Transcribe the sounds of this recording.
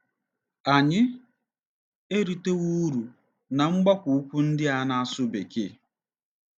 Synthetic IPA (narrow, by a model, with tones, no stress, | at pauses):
a˨ɲɪ˦ | e˦ɾi˨te˦ɣu˦ɾu˨ | na˨ŋ͡m̩˦ɡ͡ba˦kʷu˨u˦kʷu˦n̩˦dɪ˦a˦na˦a˦sʊ˦bḛ˨kɪ˦˨